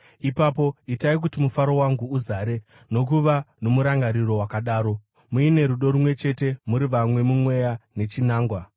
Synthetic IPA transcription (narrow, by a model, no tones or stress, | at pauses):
ipaːpo̞itaik̬utimufaɾo̞waŋɡuːzaːɾe̞ | no̞k̬uʋano̞muɾaŋɡaɾiro̞wakaɗaːɾo̞ | muine̞ɾuɗo̞ɾumwe̞t͡ʃe̞te̞muɾiʋamwe̞mumwe̞jane̞t͡ʃinaːŋɡwa